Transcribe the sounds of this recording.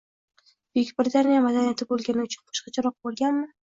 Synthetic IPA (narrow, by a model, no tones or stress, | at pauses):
b̥ekʲbɪɾɪt̪ʰanijamad̪anijat̪ʰɪbolˠɡʲanɪʊt͡ʃʰʊnqʰɒ̥ʃqɑt͡ʃʰaɾɒq̚bolˠɡʲanmɪ